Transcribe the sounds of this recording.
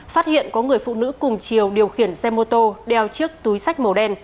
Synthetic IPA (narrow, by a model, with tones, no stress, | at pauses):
faː˦˥t̚hḭ˧˨ənkɔ˨˦ŋɨ˨˩əjfṵ˧˨nɨ̰˧˥kʊ˨˩ŋ͡mt͡ɕi˨˩əwɗi˨˩əwxi˧˩ənsɛ˧mo˧t̪o˧ɗɛ˨˩wt͡ɕɨ˦˥ək̚t̪u˨˦jsa˦˥k̟̚mo˨˩ɗɛ˧n